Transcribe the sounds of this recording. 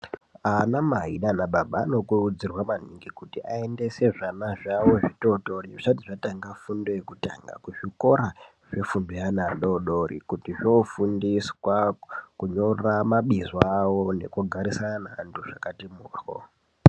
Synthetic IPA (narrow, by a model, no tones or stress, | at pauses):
anamaɦinanaɓaɓaːno̞kurud͡zirwaman̤iŋɡikutiʔae̞nde̞se̞ʐanaʐawo̞ʐitoto̞riʐt͡ʃatiʐataŋɡafundo̞jekuta̰ŋɡa̰kuʐiko̞ɾa | ʐe̞fundojanaɗoɗorḭkutiʐofundiswakuɲo̞ramaɓizwawone̞kuɡʱaɾisananaːnduʐ̥akatimuːxo̰